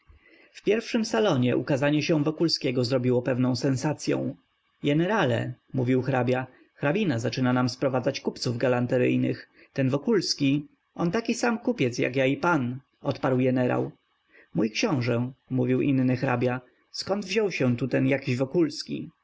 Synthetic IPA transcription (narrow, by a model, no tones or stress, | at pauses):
fpʲjɛɾfʂɘmsalɔɲɛʔṵkazaɲɛɕɛ̃vɔkulskʲɛɡɔzɾɔbʲiwɔpɛvnɔ̃w̃sɛnsat̪sʲjɔ̰̃w̃ | ɡɛnɛɾalɛ̰muvʲiwxɾabʲja | xɾabʲinazat͡ʂɘnanamspɾɔvad̪zat͡ɕkupt̪suvɡalant̪ɛɾɘ̰jnɘ̰x | t̪ɛnvɔkulskʲi | ɔnt̪akʲisamkupʲjɛt̪sja̰kjaipan | ʔɔt̪paɾwɡɛnɛɾa̰w | mujkɕɔ̃w̃ʐɛmuvʲiwʔinːɘxɾa̰bʲja | skɔnd̪vʑɔwɕɛ̃t̪ut̪ɛnjakʲiʑvɔkulskʲḭ